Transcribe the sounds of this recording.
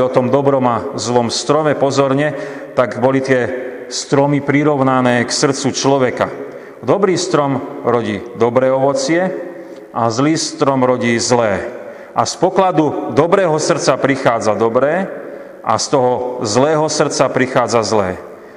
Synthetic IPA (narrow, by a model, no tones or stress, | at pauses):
ɔt̪ɔmd̪ɔbɾɔmazlɔmst̪ɾɔmɛpɔzɔɾɲɛt̪aɡbɔlit̪ɪɛ | st̪ɾɔmipɾiɾɔʊnanɛːksr̩t͡sut͡ʃlɔʋɛka̰ | d̪ɔbɾiːst̪ɾɔmɾɔɟiːd̪ɔbɾɛːɔʋɔt͡sɪɛ | ʔazliːst̪ɾɔmɾɔɟiːzlɛː | ʔaspɔklad̪ud̪ɔbɾɛːɦɔsr̩t͡sapɾixaːd͡zad̪ɔbɾɛː | ʔa̰st̪ɔɦɔzlɛːɦɔsr̩tt͡sapɾixaːd͡zazlɛ̰ː